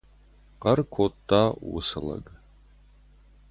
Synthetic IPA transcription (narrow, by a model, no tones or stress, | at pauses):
qɐrkʷʰoːtʰːaːwʊ̰sɐlɐ̰ɡ